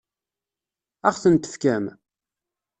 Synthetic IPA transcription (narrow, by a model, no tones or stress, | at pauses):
æʁθənt̪ə̥fkæm